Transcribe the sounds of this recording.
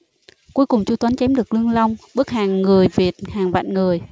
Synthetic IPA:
ku˨˦jkʊ˨˩ŋ͡mt͡ɕu˧t̪wə˨˦nt͡ɕɛ˨˦mɗɨ˨˩ək̚lɨ˧əŋla˧wŋ͡mɓɨ˦˥k̚haː˨˩ŋːɨ˨˩əjvi˨˩t̚haː˨˩ŋva̰ː˧˨nŋɨ˨˩əj

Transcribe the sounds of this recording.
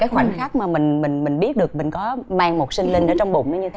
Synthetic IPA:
kaː˨˦jxwa˧˩jŋ̟xaː˦˥k̚maː˨˩mï˨˩ŋ̟mï˨˩ŋ̟mï˨˩ŋ̟ɓi˦˥ət̚ɗɨ˨˩ək̚mï˨˩ŋ̟kɔ˨˦maː˧ŋmo˨˩t̚sï˧ŋlï˧ŋ̟ʔəː˧˩t͡ɕɔ˧wŋ͡mɓʊ̰˧˨ŋ͡mnəː˨˦ɲɨ˧˨˦

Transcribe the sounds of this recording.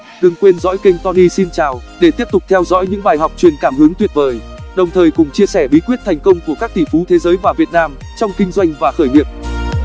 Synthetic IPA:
ɗɨ˨˩ŋkwe˧nzɔ̰˧˥jkə˧jŋt̪ɔ˧ni˧si˧nt͡ɕaː˨˩wɗe˧˩t̪i˦˥p̚t̪ʊ˨˩k͡p̚t̪ʰɛ˧wzɔ̰ː˧˥jɲɨ̰˧˥ŋɓaː˨˩jɦa˨˩wk͡p̚t͡ɕwi˨˩ənkaː˧˩mhɨ˨˦əŋt̪wi˨˩ət̚vəː˨˩j | ɗə˨˩wŋ͡mt̪ʰəː˨˩jkʊ˨˩ŋ͡mt͡ɕi˧əsɛ˧˩ɓi˨˦kwi˦˥t̚t̪ʰa˨˩jŋ̟kə˧wŋ͡mku˧˩əkaː˦˥k̚t̪ʰḭ˧˩fu˨˦t̪ʰe˨˦zəː˨˦jvaː˨˩vi˨˩ət̚naː˧m | t͡ɕɔ˧wŋ͡mkï˧ŋ̟zwa˧jŋ̟vaː˨˩xəː˧˩jɲḭ˧˨əp̚

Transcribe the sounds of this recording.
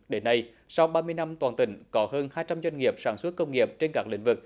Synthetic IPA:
ɗe˨˦nːa˧j | sa˧wɓaː˧mɨ˧əjna˧mt̪waː˨˩nt̪ï˧˩ŋ̟kɔ˨˦həː˧nhaː˧jt͡ɕa˧mzwa˧jŋ̟ŋi˨˩əp̚saː˧˩nswə˦˥t̚kə˧wŋ͡mŋi˨˩əp̚t͡ɕe˧nkaː˦˥k̚lḭ̈˧˩ŋ̟vɨ˨˩k̚

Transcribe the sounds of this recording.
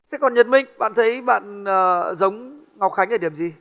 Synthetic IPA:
sɛ̰˧˥kɔ˨˩nɲə˨˩t̚mï˧˩ŋ̟ɓa̰ː˧˨nt̪ʰə˨˦jɓa̰ː˧˨nəː˨˩zə˨˦wŋ͡m | ŋa˨˩k͡p̚xa˨˦ŋ̟ʔəː˨˧˩ɗi˧˩əmzi˨˩

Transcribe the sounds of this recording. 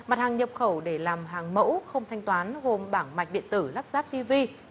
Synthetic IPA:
ma˨˩t̚haː˨˩ŋɲə˨˩p̚xə˧˩wɗe˧˩laː˨˩mɦaː˨˩ŋmə̰˧˥wxə˧wŋ͡mt̪ʰa˧jŋ̟t̪waː˨˦nɣo˨˩mɓaː˧˩ŋma˨˩jk̟̚ɗḭ˧˨ənt̪ɨ˧˩la˦˥p̚zaː˦˥p̚t̪i˧vi˧

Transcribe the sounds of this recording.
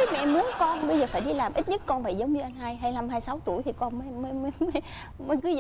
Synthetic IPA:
ə˦mɛ̰˧ʔmu˨˦ənkɔ˧nɓə˧jzəː˨˩faː˧˩jɗi˧laː˨˩mʔi˦˥t̚ɲɨ˦˥t̚kɔ˧nva̰˧˨jzə˨˦wŋ͡mɲɨ˧ʔa˧jŋ̟ɦaː˧jɦa˧jla˧˩mɦaː˧jsa˨˦wt̪u˧˩əjt̪ʰi˨˩kɔ˧nmə˧˦˧məː˨˦mə˨˦m˨˦j | mə˨˦kɨ˨˦z

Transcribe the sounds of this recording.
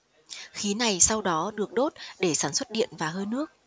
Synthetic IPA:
xi˨˦na˨˩jsa˧wɗɔ˨˦ɗɨ˨˩ək̚ɗo˦˥t̚ɗe˧˩saː˧˩nswə˦˥t̚ɗḭ˧˨ənvaː˨˩ɦəː˧jnɨ˦˥ək̚

